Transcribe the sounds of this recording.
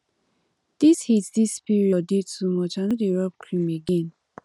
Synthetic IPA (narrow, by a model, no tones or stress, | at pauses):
d̪̥ishitdispiɹiɔdidtumɔt͡ʃãnudiɹɔp̚kʰɹĩmeɡɛ̃n